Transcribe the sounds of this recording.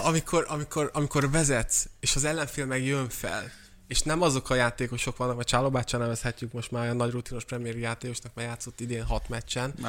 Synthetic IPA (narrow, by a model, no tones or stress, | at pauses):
ɒmikʰo̞ɾʔɒmikʰo̞rɒmiko̞rvɛzɛt̪seːʃɒzɛlːɛɱfilmɛkjøɱfɛ̰l | eːʃnɛmɒzo̞kʰɒjaːt̪eːko̞ʃo̞kʋɒnːɒk̚mɛrt͡ʃaːlobaːt͡ʃːɔnɛvɛshɛcːykmo̞ʃt̪maːɒnɒɟrut̪inoʃprɛmijɛɾijaːt̪eːko̞ʃnɒkmaːɾjaːt̪sːo̞t̪ːid̪eːnɦɒt̪mɛt͡ʃːɛn